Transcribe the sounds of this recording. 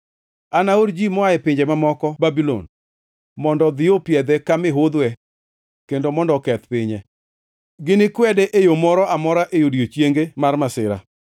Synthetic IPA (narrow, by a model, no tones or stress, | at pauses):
anaoɾd͡ʒimɔaɛpɪɲd͡ʒemamɔkɔbabilɔ̰n | mɔndɔd̪ɪopjɛd̪ɛkamɪɦʊd̪wɛ | kendomɔndɔkɛt̪pɪɲɛ | ɡɪnɪkwɛdɛʔejomɔɾɔamɔɾaʔejodjot͡ʃjeŋɡemarmasɪɾa̰